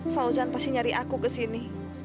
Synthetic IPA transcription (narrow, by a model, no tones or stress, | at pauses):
fauzanpastiɲaɾiʔakukəsini